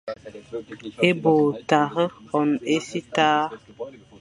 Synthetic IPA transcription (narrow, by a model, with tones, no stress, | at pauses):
e˦bo˨ta˨ɣə˦ɔ˨ne˦si˦taː˦